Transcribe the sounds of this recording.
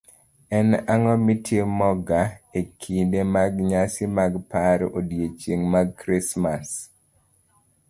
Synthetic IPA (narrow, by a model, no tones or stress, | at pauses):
ɛnaŋɔmitʰjemɔɡaekʰindemaɡɲasɪmaɡpaɾo̰djet͡ʃeŋmaɡkɾismas